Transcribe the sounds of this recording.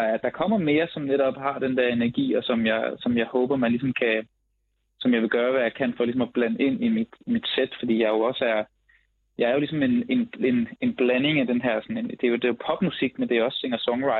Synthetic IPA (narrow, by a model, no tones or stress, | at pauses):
ɐd̥ɑ̈kʰɒ̽m̰ɐme̝ːɐsɒ̽mneɾɒ̽b̥hɑ̈d̥end̥ɛɐe̝næɐɡ̥ḭːɒ̽sɒ̽mjɑ̈ɪsɒ̽mjɑ̈ɪhɔ̽ːb̥ɐmænlis̬ɒ̽mkʰæ | sɒ̽mjɑ̈ɪʋe̝ɡ̥ɶːɐʋæjɑ̈ɪkʰæn̰fɒ̽lis̬ɒ̽mɒb̥lænəe̝n̰imid̥imid̥sed̥fɒ̽d̥ḭːjɑ̈ɪjo̝ɒ̽səæɐ | jɑ̈ɪæɐjo̝lisɒ̽me̝ne̝ne̝ne̝nb̥læne̝ŋæd̥enɦæɐ̰sɒ̽nend̥ejod̥e̝jopʰɒ̽b̥musiɡ̥mend̥e̝jɒ̽sːeŋɐsɒ̽ŋʁɑ̈ɪ